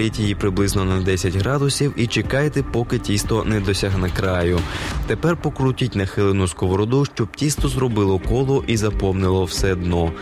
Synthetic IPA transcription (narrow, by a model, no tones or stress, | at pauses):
itʲjijipɾɪblˠɪznɔnɐd̪ɛsʲɐtʲɦɾɑd̪ʊsʲiwit͡ʃekɑjt̪ɛpɔkɪtʲist̪ɔnɛd̪ɔsʲaɦnɐkɾɑjʊt̪epɛrpɔkɾutʲitʲnɐxɪlˠɪnʊskɔʋɔɾɔd̪uʃt͡ʃɔb̥̚tʲist̪ɔzɾɔbɪlˠɔkɔlˠɔʔizɐpɔmnɪlˠɔwsɛd̪nɔ